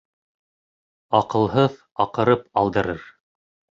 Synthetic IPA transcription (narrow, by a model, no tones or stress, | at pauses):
ɑqɤ̆lˠɦɤð | ɑqɤ̆ɾɤpɑlˠd̪ɤ̆ɾɤɾ